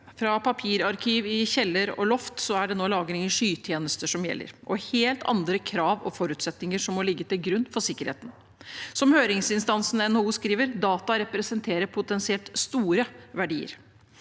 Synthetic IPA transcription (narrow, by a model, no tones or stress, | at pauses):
fɾɑpʰɑpʰiːɾɑɾkʰiːʋɪçɛlːəɾɔ̰lɔft̪sɔæɖɛnoːlɑːɡəɾɪŋəʂyːt̪ʰjeːnəst̪əʂɔmjɛ̰lːə̰ɾʔɔheːlt̪ʰɑ̰nd̪ɾəkʰɾɑːʋɔfɔɾʉːt̪sɛt̪nɪŋəʂɔmɔlɪɡːət̪ɪlɡɾʉnːfɔʂɪkːəɾhḛːt̪n̩ | sɔmhøːɾɪŋsɪnst̪ɑnsnɛnouːskɾiːʋəɾd̪ɑːt̪ɑɾɛpɾɛsənt̪ʰeːɾəpʰʊt̪ɛnsɪɛlt̪st̪uːɾəʋæɖiːə̰ɾ